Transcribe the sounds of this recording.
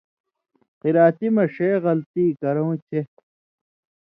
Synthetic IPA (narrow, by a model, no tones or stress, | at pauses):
qiɾaːt̪imɐʂeːɣɐlt̪iːkɐɾõwt͡ɕʰe